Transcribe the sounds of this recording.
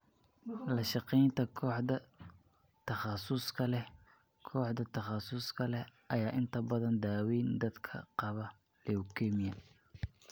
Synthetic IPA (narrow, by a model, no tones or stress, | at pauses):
lɐʃɑqɛjnt̪ʰɐkʰɔːħdɐ | t̪ʰɐχɑsʊskʰɐlɛ | kʰɔːħd̪ɐt̪ʰɐχɑsʊskʰɐlɛʔɐjaːʔɪnt̪ʰɐbɐðɐnd̪aːwiːnd̪ɐd̪kʰɐ̰qɑβɐ | lɛʊkʰɛmɪjɐ